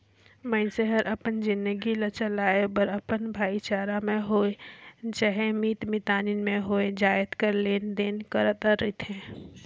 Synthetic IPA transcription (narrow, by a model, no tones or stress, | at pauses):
mə̃səɦəɾʔɐpənzɪ̃nd̪əɡilət͡ʃəlaːebəɾɐpənbʱaːit͡ʃaːɾamẽɦoːed͡ʒəɦemiːt̪mɪt̪aːninmẽɦoːed͡ʒaːət̪kəɾleːnd̪eːnkəɾət̪aɾet̪ʰẽː